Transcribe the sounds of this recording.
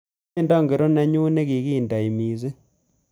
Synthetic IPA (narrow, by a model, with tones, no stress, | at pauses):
nda˦˨ŋɡe˨ɾo˦nɛ˦ɲu˦ne˦ki˨ɣi˦˨nda˨i˨mi˨s̬e˦